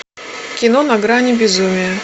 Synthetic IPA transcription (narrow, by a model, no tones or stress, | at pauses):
kʲɪnonɐɡɾanʲɪbʲɪzumʲɪjə